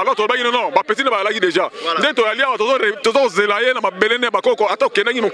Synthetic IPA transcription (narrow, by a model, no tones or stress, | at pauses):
alɔtoebakinɔnɔbapes̬inebalakideʒandɛtojaliawatozoetozokozelajenamabeleneabakɔkɔataokɛnakimo